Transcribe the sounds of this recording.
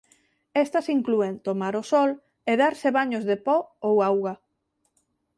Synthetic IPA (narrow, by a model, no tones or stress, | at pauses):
est̪ɐsiŋkluent̪omaɾʊsɔl | eðaɾseβaɲʊzðepɔowawɣa